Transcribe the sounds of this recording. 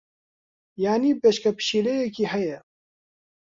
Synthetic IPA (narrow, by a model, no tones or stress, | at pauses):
jaːnipeːʃkɐpʃiːlejekihɐje